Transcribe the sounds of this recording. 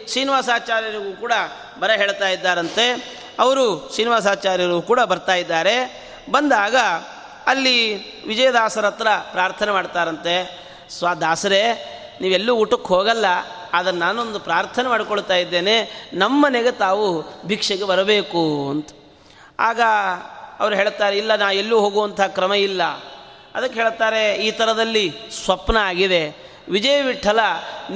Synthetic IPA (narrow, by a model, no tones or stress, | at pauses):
ʃiːniʋaːsaːt͡ʃaːɾjɐɾɐɡuːkuːɽɐ | bɐɾɐɦeːɭt̪aːjid̪ːaːɾɐnt̪e̞ | ɐʋɐɾuʂiːniʋaːs̬aːt͡ʃaːɾjɐɾɐuːkuːɽɐbɐɾt̪aːjid̪ːaːɾe̞ | bɐnd̪aːɡɐ | ɐlːi | ʋid͡ʒɐjɐd̪aːsɐɾɐt̪ːɾɐpɾaːɾt̪ʰɐnemaːɽt̪aːɾɐnt̪e | sʋaːd̪aːsɐɾe̞ | niːʋelːuuʈːɐkːɦoːɡɐlːɐ | d̪ɐnɐːaːnond̪upɾaːɾt̪ʰɐnemaːɽikoɭt̪aːjid̪ːe̞ːne̞nɐmːɐneɡe̞t̪aːʋubʱikʂɐɡebɐɾɐbe̞ːkuɐnt̪ɐ̥ | aːɡɐɐʋɐɾuɦeːɭt̪aːɾeilːɐnaːʋelːuːɦoːɡuʋɐnt̪ʰɐaɦaːkɾɐmɐilːɐ | ɐd̪ɐkːeɦeːɭt̪aːɾe̞iːt̪ʰɐɾɐd̪ɐlːisʋɐpnɐaːɡid̪e̞ | ʋid͡ʒɐjɐʋiʈʰːɐlɐn